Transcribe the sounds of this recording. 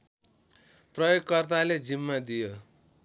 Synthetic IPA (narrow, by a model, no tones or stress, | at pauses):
prʌjoɡkːʌrt̪̬aled͡zimːad̪ijo